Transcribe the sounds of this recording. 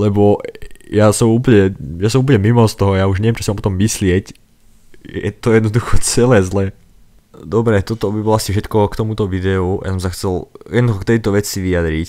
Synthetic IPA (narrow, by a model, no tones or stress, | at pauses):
lɛbɔjasɔmuːpl̩ɲɛjasɔmuːp̬l̩ɲɛmimɔst̪ɔɦɔjaːuʒɲɛʋɛmt͡ʃɔsimampɔt̪ɔmːislɪɛc | ɛ̰t̪ɔjɛd̪nɔd̪uxɔt͡sɛlɛːzlɛ | d̪ɔbɾɛt̪ɔt̪ɔbibɔlɔasifʃɛt̪kɔkt̪ɔmut̪ɔʋid̪ɛuja̰sɔmsaxt͡sɛljɛd̪nduxɔkt̪ɛjt̪ɔʋɛt͡siʋiad̪ɾic